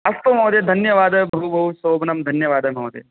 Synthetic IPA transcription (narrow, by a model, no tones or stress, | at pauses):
ɐst̪ɐmoːd̪ed̪ʱɐnjɐʋaːd̪ɐbʱɐɦubʱɐɦusoːbnɐmd̪ʱɐnjɐʋaːd̪ɐmɐːd̪ḛ